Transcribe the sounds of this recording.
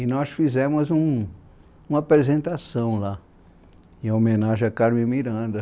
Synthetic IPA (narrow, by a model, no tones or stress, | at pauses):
inɔsfizẽmʊzũ | ũmɐapɾezẽnt̪asɐ̃w̃la | ẽomẽnaʒeakaɾmẽj̃miɾɐ̃d̪ɐ